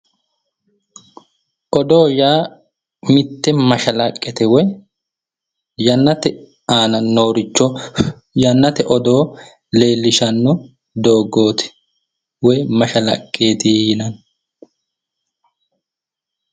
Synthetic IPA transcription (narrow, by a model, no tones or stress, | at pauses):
ʔɔd̪o̞ːjaː | mɪt̪ːɛmɐʃɐlɐkʼːɛt̪ɛwɔj | jɐnːɐt̪ɛ | aːnɐnːoːɾɪt͡ʃːɔ | jɐnːɐt̪ɛʔɔd̪o̞ː | le̞ːlːɪʃɐnːɔ | d̪oːɡːo̞ːt̪ɛ̥ | wɔjmɐʃɐlɐ̰kʼːeːt̪ɪjɪnɐn